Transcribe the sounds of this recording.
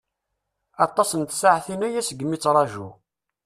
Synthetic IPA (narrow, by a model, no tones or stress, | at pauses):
ɑt̪ˤːɑsənt̪saʕθinæjæsəɡːəmːit͡sːɾˤɑʒṵ